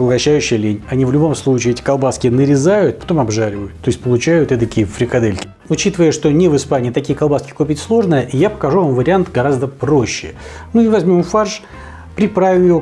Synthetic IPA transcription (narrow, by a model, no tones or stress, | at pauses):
pəlˠɡɐɕːæjʉɕːɪjəlʲenʲɐnʲivlʲʊbo̞mslˠut͡ɕɪːɛtʲɪ̥kɐlˠbaskʲɪnəɾʲɪzajʊt̪̚pɐ̥t̪o̞mɐbʐaɾʲɪvəjʊt̪ːo̞ɪsʲtʲpəlˠʊt͡ɕæjʊt̪ɛt̪əkʲifɾʲɪkɐd̪elʲkʲɪ̥ | ʊt͡ɕit̪əvəjəʂt̪o̞nʲɪvɨspanʲɪːt̪ɐkʲijəkɐlˠbaskʲɪ̥kopʲɪtʲslˠo̞ʐnəjəʔijapə̥kɐʐuvamvəɾʲɪant̪ɡɐɾazd̪əpɾoɕːɪ̰nuivɐzʲmʲo̞mfarʂ | pɾʲɪpɾavʲɪmjɪo